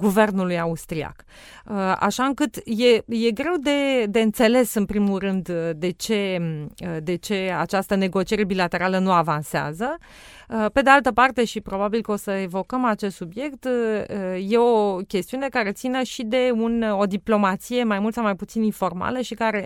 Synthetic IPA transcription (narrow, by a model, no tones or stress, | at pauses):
ɡuve̞rnulujaust̪ɾia̰k | əa̰ʃaɨŋkɨt̪je̞je̞ɡɾe̞wd̪e̞d̪e̞ɨnt̪se̞le̞sɨnpɾimulrɨnd̪d̪e̞t͡ʃe̞əd̪e̞t͡ʃe̞at͡ʃast̪əne̞ɡo̞t͡ʃije̞ɾe̞bilat̪e̞ɾalənuavansea̰zə | pe̞d̪e̞alt̪əpart̪e̞ʃipɾo̞babilkəo̞səevo̞kəmat͡ʃe̞st̪subje̞kt̪ | je̞o̞kʲe̞st̪iune̞kaɾe̞t̪sinəʃid̪e̞uno̞d̪iplo̞mat̪sije̞majmult̪sawmajput̪sininfo̞rma̰ləʃikaɾe̞